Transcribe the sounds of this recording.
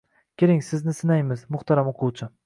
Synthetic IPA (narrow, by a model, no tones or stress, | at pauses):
kʲʰeɾɪŋsɪznɪsɪnajmɪzmʊχt̪ʰaɾamoqʰʊwt͡ʃʰɪ